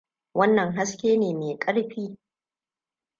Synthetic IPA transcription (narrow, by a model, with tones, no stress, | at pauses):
wɐ˦nːɐ˨ŋɦa˦skʲeː˦neː˨meː˨kʼɐ˦ɽɸiː˦